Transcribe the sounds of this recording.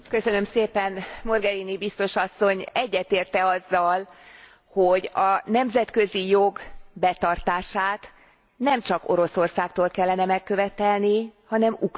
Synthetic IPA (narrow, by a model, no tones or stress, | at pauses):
kø̞sønø̞mseːpɛnmo̞rɡɛɾinibist̪o̞ʃɒsːo̞ɲɛɟːɛt̪eːrt̪ɛɒzːɒl | ho̞ɟɒnɛmzɛt̪kø̞zijo̞ɡbɛt̪ɒrt̪aːʃaːt̪ | nɛmt͡ʃɒko̞̰ɾo̞so̞rsaːk̚t̪oːlkɛlːɛnɛmɛkːø̞vɛt̪ɛlnihɒnɛmuk